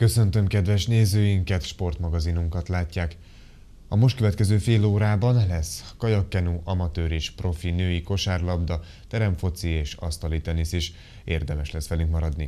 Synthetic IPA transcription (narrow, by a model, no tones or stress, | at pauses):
kø̞sø̞nt̪ø̞mkɛd̪vɛʃneːzøːjiŋkɛt̪ʃpo̞rt̪mɒɡɒzinuŋkɒt̪laːcːaːk | ɒmo̞ʃt̪̚køvɛt̪kɛzøːfeːloːɾaːbɒnlɛskɒjɒkːɛnuʔɒmɒt̪øːɾeːʃpro̞finøːjiko̞ʃaːrlɒbd̪ɒ | t̪ɛɾɛɱfo̞t̪sieːʃɒ̰st̪ɒliːt̪ɒniseːʃ | eːrd̪ɛmɛʃlɛsʋɛlyŋkmɒɾɒd̪ni